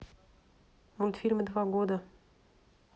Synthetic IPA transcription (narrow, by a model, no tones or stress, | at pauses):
mulʲt̪fʲilʲməd̪vaɡod̪ə